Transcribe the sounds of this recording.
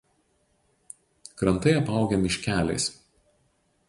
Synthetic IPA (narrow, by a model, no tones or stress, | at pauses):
kɾɐnt̪ɐɪɐpɑˑʊɡʲɛmʲɪʃʲkʲæːlʲɛ̰ɪs